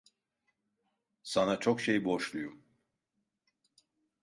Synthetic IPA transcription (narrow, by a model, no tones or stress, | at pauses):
sanat͡ʃʰokʃejboʃlˠujum